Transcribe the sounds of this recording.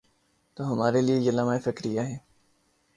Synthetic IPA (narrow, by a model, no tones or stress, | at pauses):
t̪oːɦɐmaːɾeliejɐlamaːefɪkɾɪjaɦɛː